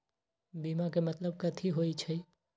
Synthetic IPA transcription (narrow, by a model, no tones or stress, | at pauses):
biːmakemɐt̪ləb̚kɐt̪ʰiɦoːit͡ʃʰɐi